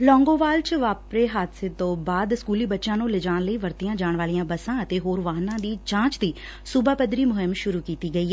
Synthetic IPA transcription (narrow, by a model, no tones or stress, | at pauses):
lɔ̃ːŋɡõːʋaːlt͡ʃəʋaːpɾeːɦaːt̪seːt̪õːbaːd̪skuːliːbətːʃãːnũːlɪd͡ʒãːnləiːʋəɾt̪ijãːd͡ʒaːɳʋaːlijãːbəsãːət̪eːɦoːɾʋaːɦnãːd̪iːt͡ʃãːt͡ʃd̪iː | sʊbʱaːpəd̪ɾiːmʊɦɪmʃʊɾuːkiːt̪iːɡəiːɛ